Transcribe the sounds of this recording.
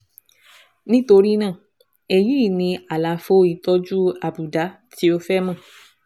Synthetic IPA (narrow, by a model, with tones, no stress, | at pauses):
nĩ˦to˧ɾi˦nãː˦˨ | ɛ˨jĩ˦˨nĩ˧a˨la˨˦fo˦i˧˨tɔ˦d͡ʒu˦a˨bu˨da˨˦ | ti˨˦o˦fɛ˦mã˦˨